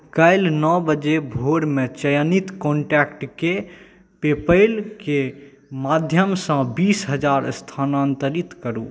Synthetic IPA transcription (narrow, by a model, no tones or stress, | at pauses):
kəjlnɔbəd͡ʒebʱoɾmet͡ʃəjənit̪kɔɳʈɛkʈke | pepəɪlke | mad̪ʱjəmsə̃bisɦəd͡ʒaɾst̪ʰanant̪əɾit̪kəɾu